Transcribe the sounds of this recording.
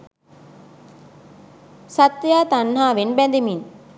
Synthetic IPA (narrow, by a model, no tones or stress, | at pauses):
sat̪ːjaːt̪anːɦaːʋenbænd̪imin